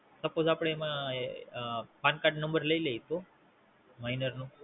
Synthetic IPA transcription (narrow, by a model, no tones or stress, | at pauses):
səpod͡zapɽeemã | pankaʈnə̃mbəɾləilejt̪o | mainəɾnũː